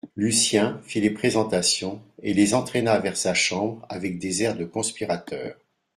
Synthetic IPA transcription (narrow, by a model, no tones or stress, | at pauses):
lysjɛ̃filepχezɑ̃t̪asjɔ̃elezɑ̃t̪χenavɛʁsaʃɑ̃bʁavɛk̚d̪ezɛʁd̪əkɔ̃spiʁat̪œːʁ